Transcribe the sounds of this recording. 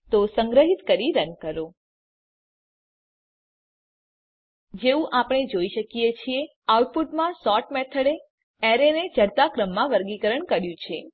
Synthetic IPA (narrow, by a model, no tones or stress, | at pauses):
t̪osəŋɡɾəɦit̪kəɾiɾənkəɾo | d͡ʒeʋũʔapɽ̃ed͡ʒoiʃəkijet͡ʃʰie | auʈ̚puʈmãsɔʈmɛt̪ʰəɽe | ɛɾened͡ʒəɾt̪akɾəmːãʋəɾɡikəɾəɳkəɾjũt͡ʃʰe